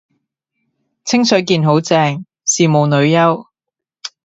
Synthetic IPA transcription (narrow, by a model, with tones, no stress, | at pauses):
t͡sʰɪ˥ŋsɵ˨˥ɥkiː˧nɦo˨˥wt͡sɛː˧ŋ | siː˨mo˨wnɵ˨˧ɥjɐ˥w